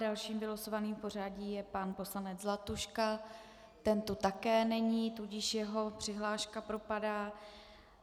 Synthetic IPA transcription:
dalʃiːmbɪlosovaniːmpo̞r̝aɟiːjɛpanpo̞slanɛd͡zzlat̪uʃka | t̪ɛnt̪ut̪akɛːnɛɲiːt̪uɟɪʃjɛɦo̞pr̝̥ɪɦlaːʃkapɾo̞padaː

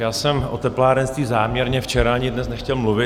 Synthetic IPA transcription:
jaːsɛmʔo̰t̪ɛplaːɾɛnst̪viːzaːmɲɛɾɲɛft͡ʃɛɾaaɲɪdnɛsnɛxcɛlmluvɪ

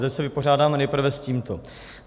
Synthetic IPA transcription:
t̪ɛcsɛvɪpo̞r̝aːdaːmɛnɛjpr̩vɛsciːmt̪o

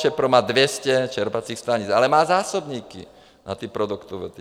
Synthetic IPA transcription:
t͡ʃɛpɾɔmaːd̪ʋjɛscɛt͡ʃɛɾpat͡siːxst̪aɲit͡salɛmaːzaːsɔbɲiːkḭ | nʔa̰t̪iːpɾɔd̪ukt̪ɔʋɛt̪i

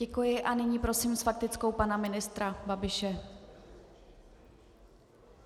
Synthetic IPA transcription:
ɛkujɪʔanɪɲiːpɾo̞siːmsfak̚t̪ɪt͡sko̞wpanamɪnɪst̪ɾababɪʃɛ

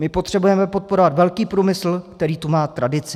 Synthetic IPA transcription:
mɪpo̞t̪r̝̥ɛbujɛmɛpo̞t̪̚po̞ɾo̞vat̪vɛlkiːpɾuːmɪsl̩kt̪ɛɾiːt̪umaːt̪ɾadɪt͡sɪ

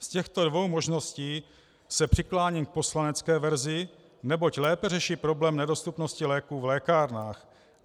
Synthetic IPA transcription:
scɛxt̪o̞dvo̞wmo̞ʒno̞sciː | sɛpr̝̥ɪklaːɲiːmk̚po̞slanɛt͡skɛːvɛɾzɪ | nɛbo̞clɛːpɛrɛʃiːpɾo̞blɛːmnɛdo̞st̪upnoscɪlɛːkuːvlɛːkaːɾnaːx

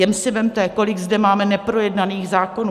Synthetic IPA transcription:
jɛmsɪvɛmt̪ɛːko̞lɪɡzdɛmaːmɛnɛpɾo̞jɛdnaniːɣzaːko̞nuː

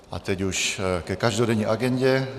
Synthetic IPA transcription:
ʔa̰t̪ɛcuʃkɛkaʒdodɛɲiːʔaɡɛɲɟɛ

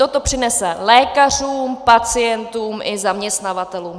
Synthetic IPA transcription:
ot̪o̞pr̝̥ɪnɛsɛlɛːkar̝uːmpat͡sɪjɛnt̪uːmʔɪzamɲɛst̪navat̪ɛluːm

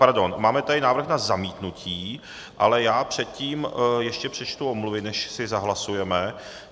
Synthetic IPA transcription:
paɾdo̞nmaːmɛt̪adɪnaːvɾ̩rxnazamiːt̪nucʰiː | ʔa̰lɛjaːpr̥ɛt̪̚ciːmjɛʃcɛpr̝̥ɛt͡ʃt̪uomluvɪnɛʃsɪzaɦlasujɛmɛ

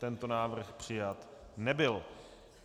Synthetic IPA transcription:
t̪ɛnt̪onaːvr̩xpr̝̥ɪjat̪nɛbɪl

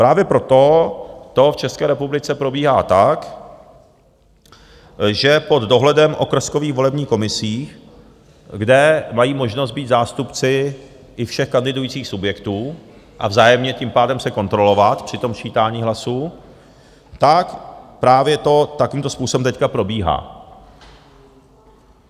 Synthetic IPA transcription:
pɾaːvjɛpɾo̞t̪o̞t̪o̞ft͡ʃɛskɛːɾɛpublɪt͡sɛpɾo̞biːɦaːt̪ak | ʒɛpo̞d̪do̞ɦlɛdɛmʔo̞̰kr̩sko̞viːxvo̞lɛbɲiːko̞mɪsiː | ɡdɛmajiːmo̞ʒno̞st̪̚biːt̪zaːst̪upt͡sɪ | ʔɪfʃɛxkandɪdujiːt͡siːxsubjɛkt̪uː | ʔa̰vzaːjɛmɲɛciːmpaːdɛmsɛko̞nt̪ɾo̞lo̞vat̪pr̝̥ɪt̪o̞mt͡ʃiːt̪aːɲiːɦlasu | t̪akpɾaːvjɛt̪o̞t̪akoviːmt̪ospuːsobɛmt̪ɛckapɾo̞biːɦa̰ː

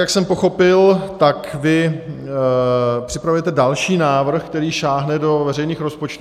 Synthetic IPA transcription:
jaksɛmpo̞xo̞pɪlt̪akvɪ | pr̝̥ɪpɾavujɛt̪ɛdalʃiːnaːvr̩xkt̪ɛɾiːʃaːɦnɛdo̞vɛrɛjniːxɾo̞spo̞t͡ʃt̪u

